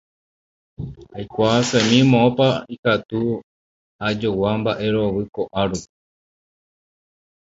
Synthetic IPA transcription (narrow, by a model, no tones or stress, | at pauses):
ajkʷasẽmĩmõopaikat̪u | ad͡ʒowambaʔe̞ɾo̞ʋɨko̞ʔaɾu